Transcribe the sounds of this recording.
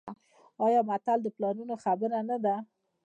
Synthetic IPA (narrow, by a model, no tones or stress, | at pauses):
ɑjɑmat̪ald̪əplɑnunoxabəɾanad̪a